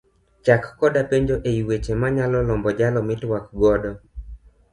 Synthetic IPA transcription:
t͡ʃakːɔdapeɲd͡ʒoʔeiwet͡ʃemaɲalɔlɔmbɔd͡ʒalɔmɪtwakɡɔdɔ

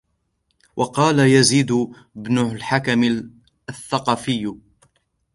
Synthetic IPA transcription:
wʔɑqɑːlajaziːd̪ʊ | bnʊlħakam | aθːɑqɑːfɪjː

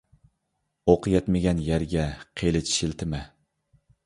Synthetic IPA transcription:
oqʰɨjɛt̪maɡʲanjaɾɡʲaqʰelɪt͡ʃʃɪlˠt̪ʰɪma

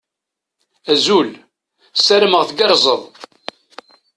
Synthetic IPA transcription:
æzul | sæɾəməʁθɡɑɾˤzˤəðˤ

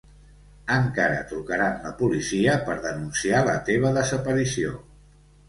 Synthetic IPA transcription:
əŋkaɾə̰t̪ɾukəɾanləpulisiəpəɾðənunsialət̪eβ̞əðəzəpəɾisio̰

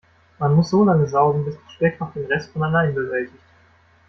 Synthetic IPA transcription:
manmʊsz̥oːlaŋəzaʊɡŋ̩bɪsmanʃpɛk̚taʊfd̥eːnʁɛstfonalaɪnbəvɛltɪçt

